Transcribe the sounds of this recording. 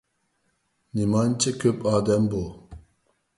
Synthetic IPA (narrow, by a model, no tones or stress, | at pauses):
nimɑnt͡ʃʰikʲʰøpɑːd̪ɛmbu